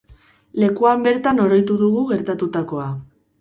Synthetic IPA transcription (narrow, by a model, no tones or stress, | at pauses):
le̞kuambe̞ɾt̪ano̞ɾo̞jt̪uðuɣ̞uɣe̞ɾt̪at̪ut̪ako̞a